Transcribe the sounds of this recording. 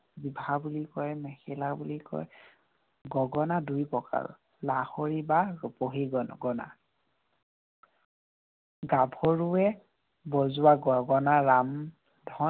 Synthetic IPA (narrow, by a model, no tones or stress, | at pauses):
bibʱabulikɔjmɛxɛlabulikɔ̰j | ɡɔɡɔnadujpɔka̰ɹɔ̰ | lahoɹibaɹupoɦiɡɔɡɔna̰ | ɡabʱɔɹuɛ | bɔzʊaɡɔɡɔnaɹam | dʱɔ